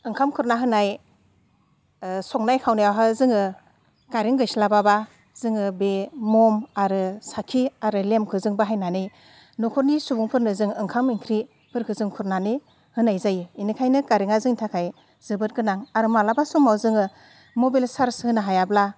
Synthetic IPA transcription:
ɯŋkʰamkʰɯɾnaɦɯnaj | sɔŋ̚najkʰawnajawɦazɯŋɯ | kaɾiŋɡɯjslababa | zɯŋɯbemɔmaɾɯsakʰiaɾɯlemkʰɯzɯŋbaɦajnanɯj | nɔkʰɔɾnisubuŋpʰɯɾnɯzɯŋɯŋkʰamiŋkʰɾi | pʰɯɾkʰɯzɯŋkʰuɾnanɯ | hɯnajzajɯinikʰajnɯkaɾiŋazɯŋtʰakʰaj | z̥ɯbɯt̚ɡɯnaŋaɾɯmalabasumawzɯŋɯ | mɔbilsaɾshɯnaɦajabla

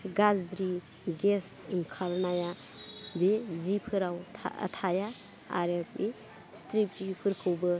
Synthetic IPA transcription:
ɡazdɾi | ɡesiŋkʰalnaja | bezipʰɯɾawʰə̰tʰaja | a̰ɾep̚e | stɾip̚tipʰɯɾkʰɯwbɯ

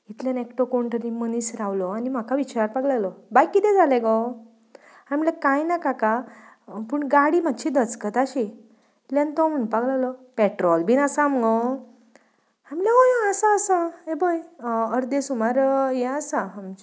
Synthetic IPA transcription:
it̪ljanekʈokoɳʈəɾimənisɾawlɔanim̤akʰaʋit͡ɕaɾaɾpaɡlalɔbajkid̪ɛ̃d͡zʱaleɡɔ | amlakajnakaka | puɳɡaɽiːm̤at̪ːɕid̪ət͡skət̪aɕi | ljãnt̪ɔm̤əɳpaɡlalɔpeʈɾɔlbʱinasamɡɔ | amlaojəsaəsaebəjəɾd̪esumaɾjɛ̃əsaamt͡ɕ

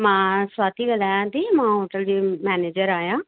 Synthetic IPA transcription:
mãːswaːt̪iːɡəlaːjãːt̪imãːɦoːʈəld͡ʑeːmɛːneːd͡ʒəɾaːjãː

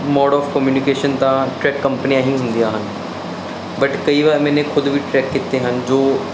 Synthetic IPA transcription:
mɔːɖɔːfkəmjuːnɪkeːʃənt̪ãʈɾɛːkːə̃mpənijãɦĩɦʊ̃nd̪ijaːɦən | bɐʈkɐiʋaːɾmɛ̃ːnẽkʰʊd̪ʋiʈɾɛːkːɪt̪ːeɦənd͡ʒoː

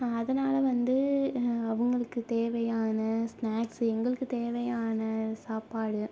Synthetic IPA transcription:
ɐðɐnaːlɐʋɐnd̪ɯɐʋɐŋɡɐɭɯkːɯt̪eːʋɐjaːnɐsnaːksɛŋɡɐɭɯkːɯt̪eːʋɐjaːnɐsaːpaːɽɯ

